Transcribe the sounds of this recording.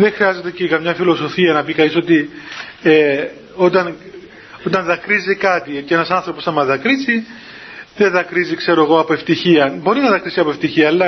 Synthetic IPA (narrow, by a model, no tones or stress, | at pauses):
ðexɾiɐze̞t̪ecekɐmɲɐfilo̞so̞fiɐnɐpikɐniso̞t̪i | e | ot̪ɐn | o̞t̪ɐnðɐkɾizikɐt̪iceenɐsɐnθɾo̞posθɐmɐðɐkɾizi | ðeðɐkɾizikse̞ɾo̞e̞ɣo̞ɐpoe̞ft̪içiɐbo̞ɾinɐðɐkɾisiɐpoft̪içiɐːlːɐ